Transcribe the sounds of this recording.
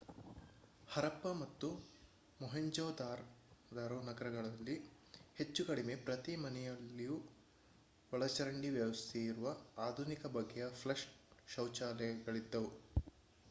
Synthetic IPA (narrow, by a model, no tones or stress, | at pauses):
hɐɾɐpːɐmɐt̪ːu | mɔɦɐɲd͡ʒɔːd̪aːɾd̪aɾonɐɡɐɾɐɡɐɭɐlːi | he̞t͡ʃːukɐɽime̞pɾɐt̪imɐnɛjɐlːiju | ʋɐɭɐt͡ʃɐɾɐɳɖiʋjɐʋɐst̪ʰɛiɾuʋɐaːd̪ʱunikɐbɐɡːɛjɐpʰlɐʂʃɐwt͡ʃaːlɛɡɐɭid̪ːɐʋu